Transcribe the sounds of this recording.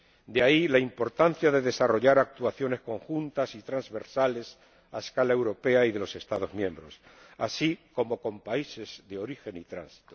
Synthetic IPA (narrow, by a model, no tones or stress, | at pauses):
d̪eailaimpo̞ɾt̪an̟θjaðe̞ðe̞saro̞ʝaɾak̚t̪uaθjo̞ne̞sko̞ŋxunt̪asit̪ɾanzβe̞ɾsale̞s | a̰eskalae̞wɾo̞pe̞aiðe̞lo̞se̞st̪aðo̞zmjẽ̞mbɾo̞s | a̰siko̞mo̞ko̞mpaise̞zðe̞o̞ɾixe̞nit̪ɾa̰nsi̥t̪o